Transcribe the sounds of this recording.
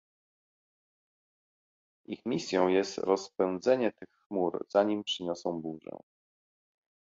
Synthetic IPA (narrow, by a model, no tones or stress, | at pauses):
ixmʲisʲjɔ̃w̃jɛst̪ɾɔspɛñd̪zɛɲɛt̪ɘxːmuɾz̥aɲimpʂɘɲɔsɔ̃w̃buʐɛ̰